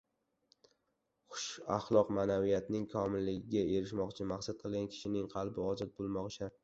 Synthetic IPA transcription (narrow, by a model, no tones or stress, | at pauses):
χʊ̥ʃaχlˠɒqmaːnavijat̪nɪŋkʰɒmɪlːɪɡʲɪɡʲae̞ɾɪʃmɒqt͡ʃʰɪmaχsat̪̚qʰɨlˠɡʲankʲʰɪ̥ʃɪnɪŋqʰɑlˠbɪɒzɒt̪̚bolˠmɒqt͡ʃʰa